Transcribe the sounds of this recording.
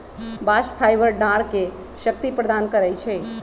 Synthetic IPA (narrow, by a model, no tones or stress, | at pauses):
basʈpʰajbəɾɖaɾke | ʃəkt̪ipɾəd̪ankəɾɛjt͡ʃʰɛ